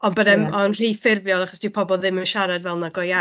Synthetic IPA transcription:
ɔnbədɛmɔnr̥ifɪrvjɔlˠaχɔsd̥ipʰɔbɔlˠðɪmənʃaɾadvɛlˠnaɡɔja

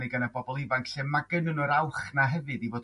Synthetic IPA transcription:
ɨɡənabɔbɔlˠɪvankɬɛmaɡənɨnɔɾawχnaɦɛvɨdivoːd

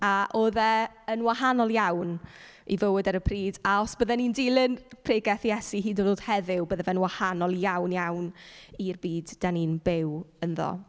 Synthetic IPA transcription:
aʔoːðɛ | ənwahanɔlˠjawn | ivəwɨdɛɾəpʰriːdaɔsb̥əðɛnindɪlˠɪnpʰreːɡɛθjɛsiɦiːdodoːd̥hɛðɪwbəðɛvɛnwahanɔlˠjawnjawnirbiːdd̥aninbɪwənðɔ̰

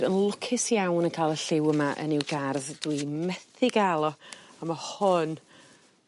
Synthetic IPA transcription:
ɾənlˠʊkʰɪsjawnənkʰaːjlˠəɬɪwəmaʔə̰nɪwɡarðdwimɛθɪɡalˠɔamahɔn

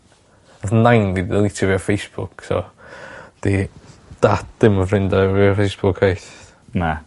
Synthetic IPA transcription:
naθnːajnviðəlˠɪtʰɔviɔfejsb̥ʊksɔ̰ | d̥id̥atd̥ɪməfrɪndaviɔfejsb̥ʊkʰhajθ | na

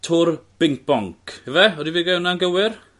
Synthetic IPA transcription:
tʰʊrb̥ɪŋk̚b̥ɔŋkʰhəvɛɔdiviːɡɛwnanɡəwɪr

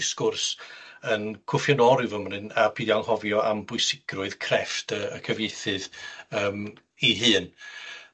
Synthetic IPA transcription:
ɪskʊrsənkʰʊfjɔnɔɾɪvəmn̥ɨnapʰiːðjawnhɔvjɔʔambʊɨsɪɡ̥rʊɨð̥kʰrɛftʰəəkʰəvjejθɨðəːm | iɦɨːn

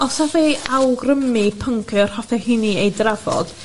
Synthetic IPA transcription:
ɔsɔθejawɡrəmipʰəŋkʰɨr̥hɔθɛhiniejdravɔ̰d̥

